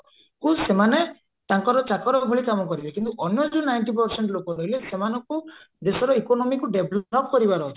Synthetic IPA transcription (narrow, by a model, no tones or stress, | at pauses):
kusemane | t̪aŋkɔɾɔt͡ʃakɔɾɔbʱuɭikamɔkɔɾilekint̪uʔɔnjɔd͡ʒunajɳʈip̬ɔɾseɳʈlokɔɾɔɦilesemanɔŋku | d̪esɔɾɔikonɔmikuɖeblɔkkɔɾibaɾɔ